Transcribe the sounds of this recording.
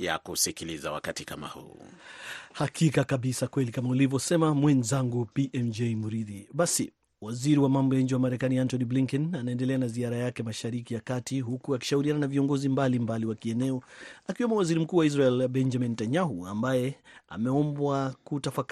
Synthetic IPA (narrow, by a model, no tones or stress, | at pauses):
ja̰kusikiliza̰wa̰katikama̰hṵ | hakʰikakaɓisakwɛlikamaulivjɔsɛmamwɛnzaŋɡupiʔɛmd͡ʒɛjmuɾiðiɓasi | waziɾiwamambɔjaɲ̩d͡ʒiwamaɾɛkaniantɔnibliŋkɛnanaɛndɛlɛanaziaɾajakɛmaʃaɾikijakatiɦukuaki̥ʃahuɾiananaviɔŋɡɔzimbalimbaliwakiɛnɛɔakiwɛmbɔwaziɾim̩kuːwaizɾaɛlbɛnd͡ʒamintaɲaɦua̰mbajɛa̰mɛɔmbwakutafak